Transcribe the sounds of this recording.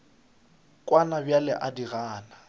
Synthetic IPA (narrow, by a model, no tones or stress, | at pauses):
kʼwanabjalɪʔadiɣaːna